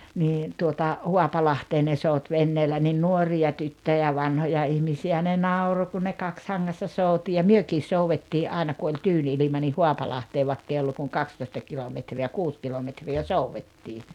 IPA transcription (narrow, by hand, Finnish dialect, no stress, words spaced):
niː tuotɑ huɑpɑlɑhteː ne sout ʋenːeːlæ nin nuoriɑ tytːøjæ ʋɑnhojɑ ihmisiæ ne nɑuro kun ne kɑkshɑŋːɑsːɑ sout jɑ myøkis souwetːiː ʔɑˑenɑ ku olʲ tyːn ilimɑ nih huɑpɑlɑhteː ʋɑĕkː ei olːu kuŋ kɑkstoĭstɑ kilometriæ kuːs kilometriæ souwːetːiː